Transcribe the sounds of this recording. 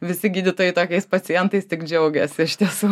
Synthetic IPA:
ʋʲɪsʲɪɡʲiːd̪ʲɪt̪oːjɛɪt̪oːkʲɛɪspɐt͡ssʲɪjɛnt̪ɐɪst̪ʲɪkd͡ʒʲɛʊɡʲɛsʲɪɪʃt̪ʲiɛsuː

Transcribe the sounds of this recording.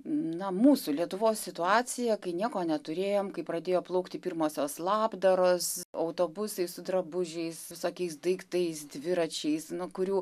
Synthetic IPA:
nɐmuːsuːlʲiɛt̪ʊʋoːsʲsʲɪt̪ʊɑːt͡s̪ʲɪjɛkɐɪnʲiɛkoːnʲɛt̪ʊɾʲeːjoːmkɐɪpɾɐd̪ʲeːjoːplˠɐʊkt̪ʲɪpʲiɾmoːsʲoːslˠɑːbd̪ɐɾoːsɐʊt̪oːbʊsɐɪssʊd̪ɾɐbʊʒʲɛɪsʋʲɪsoːkʲɛɪsd̪ɐɪkt̪ɐɪsd̪ʲʋʲɪɾɐt͡ʃʲɛɪsnʊkʊɾʲuː

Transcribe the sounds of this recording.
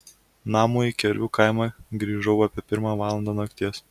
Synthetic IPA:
nɑːmuːikʲɛɾʲʋʲuːkaɪmɑːɡɾʲiːʒɐʊɑːpʲiɛpʲɪɾmɑːʋɑːlˠɐnd̪ɑːnɐkt̪ʲiɛs

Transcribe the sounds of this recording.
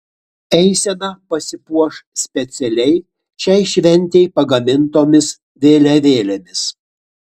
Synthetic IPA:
ɛɪsʲɛnɐpɐsʲɪpuɔʃsʲpʲɛt̪sʲɛlʲɛɪ | ʃʲɛɪʃʲʋʲɛnʲˑt̪ʲɛɪpɐɡɐmʲɪnt̪oːmʲɪs | ʋʲeːlʲɛʋʲeːlʲɛmʲɪs

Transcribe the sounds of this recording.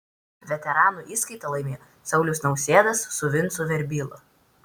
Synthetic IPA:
ʋʲɛt̪ʲɛɾɑːnuʔiːskɐɪt̪ɐlˠɐɪmʲeːj | sɐʊlʲʊsnɒʊsʲeːd̪ɐsːʊʋʲɪnt̪sʊʋʲɛɾʲbʲiːlˠʊ̰

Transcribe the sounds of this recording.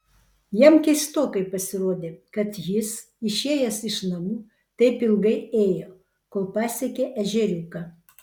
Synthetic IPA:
jɛmkʲɛɪst̪oːkɐɪpɐsʲɪɾoːd̪ʲeːkɐt̪jɪs | ɪʃʲeːjɛsɪʃnɐmuː | t̪ɐɪpɪlˠɡɐɪeːjoː | koːlˠpɑːsʲɛkʲeːʔɛʒʲɛɾʲuːkɐ

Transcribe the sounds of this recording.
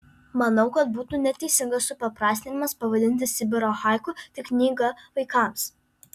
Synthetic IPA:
mɐnɐʊkɐt̪̚buːt̪uːnʲɛt̪ʲɛɪsʲɪŋɡɐssʊpɐpɾɑːsʲt̪ʲɪnʲɪmɐspɐʋɐd̪ʲɪnʲt̪ʲɪsʲɪbʲɪɾoːxɑˑɪkut̪ʲɪknʲiːɡɐʋɐɪkɑˑms

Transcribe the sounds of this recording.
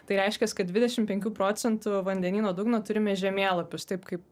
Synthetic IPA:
t̪ɐɪɾʲɛɪʃʲkʲɛskɐt̚d̪ʲʋʲɪd̪ʲɛʃʲɪmpʲɛŋʲkʲuːpɾoːt͡s̪ʲɛnt̪ʊʋɐnʲd̪ʲɛnʲiːnoːd̪uːɡnoːt̪ʊɾʲɪmʲɛʒʲɛmʲeːlˠɐpʲʊst̪ɐɪpkɐɪp

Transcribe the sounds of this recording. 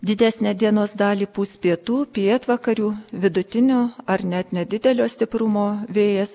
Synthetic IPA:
d̪ʲɪd̪ʲæːsʲnʲæːd̪ʲiɛnoːsd̪ɑːlʲiːpuːsʲpʲiɛt̪uːpʲiɛt̪ʋɐkɐɾʲuːʋʲɪd̪ʊt̪ʲɪnʲoːɐɾnʲɛt̪nʲɛd̪ʲɪd̪ʲɛlʲoːsʲt̪ʲɪpɾʊmoːʋʲeːjɛs

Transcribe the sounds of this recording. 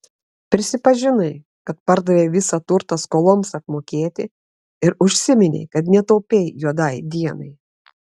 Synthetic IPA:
pʲɾʲɪsʲɪpɐʒʲɪnɐɪ | kɐt̪̚pɐɾd̪ɐʋʲeːʋʲɪsɐt̪ʊɾt̪ɐskoːlˠɔmsɐpmoːkʲeːt̪ʲɪ | ɪɾʊʃʲsʲɪmʲɪnʲɛ̰ɪkɐt̪nʲɛt̪ɐʊpʲeɪjuɔd̪ɐɪd̪ʲiɛnɐɪ

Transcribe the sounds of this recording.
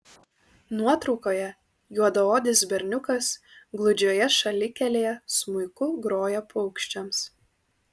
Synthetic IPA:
nuɔt̪ɾɒʊkoːjɛ | juɔd̪ooːd̪ʲɪs̬bʲɛɾʲnʲʊkɐsɡlˠʊd͡ʒʲoːjɛʃɐlʲɪkʲɛlʲeːjɛsmʊɪkʊɡɾoːjɛpʰʊʊkʃʲt͡ʃʲɛms

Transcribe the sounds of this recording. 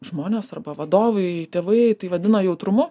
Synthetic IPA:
ʒmoːnʲeːsɐrbɐʋɐd̪oːʋɐɪt̪ʲeːʋɐɪt̪ɐɪʋɐd̪ʲɪnɐjɛʊt̪ɾʊmʊ

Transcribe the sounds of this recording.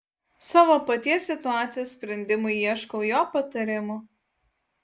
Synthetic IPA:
sɑːʋoːpɐt̪ʲiɛsʲːɪt̪ʊaːt̪sʲɪjoːssʲpʲɾʲɛnʲd̪ʲɪmʊɪiɛʃkoʊjoːpɐt̪ɐɾʲɪmʊ

